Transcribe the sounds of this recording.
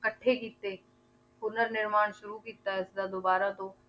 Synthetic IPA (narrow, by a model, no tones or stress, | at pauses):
kɐʈʰːekiːt̪ːeː | pʊnəɾnɪɾmaːɽ̃ʃʊɾukiːt̪aɛɪsd̪ad̪oːbaːɾat̪oː